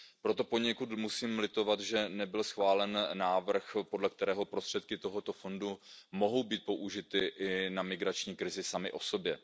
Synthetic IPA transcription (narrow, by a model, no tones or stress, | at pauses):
pɾo̞t̪o̞po̞ɲɛkut̪musiːmlɪt̪o̞vat̪ʒɛnɛbɪlsxvaːlɛnːaːvr̩xpodlɛk̚t̪ɛɾɛːɦo̞pɾost̪r̥ɛt̪kɪt̪o̞ɦo̞t̪o̞fo̞ndumo̞ɦo̞wbiːt̪̚po̞ʔuʒɪt̪ɪʔɪnamɪɡɾat͡ʃɲiːkɾɪzɪsamɪ̰ʔo̞so̞bjɛ